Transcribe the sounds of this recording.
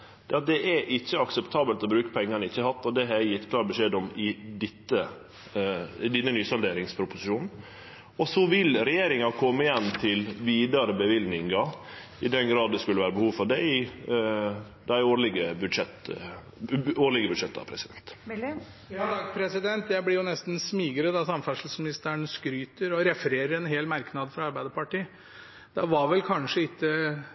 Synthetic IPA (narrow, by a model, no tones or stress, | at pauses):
d̪̥ɛɑt̪̚d̪ɛʔɛʔɪçːəɑksɛpt̪ʰɑːbəlt̪ɔbɾʉːkə̥pʰɛŋːɑnəɪçːəhɑt̪ːɔd̪ɛɦɛjɪt̪ːkʰlɑːɾbəʂeːd̪ɔmɪd̪ɪt̪ːə | d̪ɪnːənyːsɔld̪eːɾɪŋspʰɾʊpʊsɪʃuːnn̩ | ɔsɔʋɪlɾɛjeːɾɪŋɑkʰɔmːəɪjɛnːt̪ʰɪlʋiːd̪ɑɾəbəʋɪlnɪŋɑ | ɪd̪ɛnɡɾɑːd̪d̪ɛskʉlːəʋæːɾəbəhuːʋfɔɖ̪æɪ | d̪æɪoːɭɪɡəbʉʂɛt̪ | oːɭɪɡəbʉd̪ʂɛt̪ːɑ̰pʰɾɛsɪd̪ɛnt̪ | jɑːd̪ɑɡpʰɾɛsɪd̪ɛnt̪jæɪblɪɾjʊnɛst̪n̩smiːɡəɾəd̪ɑsɑmfæʂl̩smɪnɪst̪əɳəskɾyːt̪əɾɔɾɛfəɾeːɾəɾɛnɦeːlmæɾknɑd̪fɾɑɑɾbæɪd̪əɾpɑʈiː | d̪̥ɛʋɑɾʋɛlkʰɑnʂəɪk̪ːə